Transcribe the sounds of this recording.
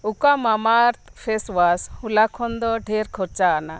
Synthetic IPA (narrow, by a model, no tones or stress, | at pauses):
ukamamaɾt̪ʰpʰeswashulakʰɔnd̪ɔɖʱɛɾkʰɔɾt͡ʃaːna̰